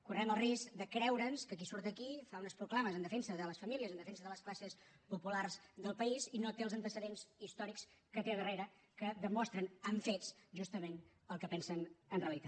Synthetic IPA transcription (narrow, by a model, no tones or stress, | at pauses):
kurɛməlˠriskd̪əkɾɛwɾənskək̬isuɾt̪əkifaunəspɾuklaməzənd̪əfɛnsəðələsfəmiliəzənd̪əfɛnsəðələsklasəs | pupularzðəlˠpəizinot̪eəlˠzənt̪əsəðenzist̪ɔɾikskət̪eðəreɾə | kəd̪əmɔst̪ɾənəɱfet͡sʒust̪əmen | əlˠkəpɛnsənənreəlit̪a